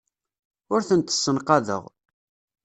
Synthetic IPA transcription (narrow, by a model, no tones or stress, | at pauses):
ʊɾθənt̪ə̥sːənqɑðə̰ʁ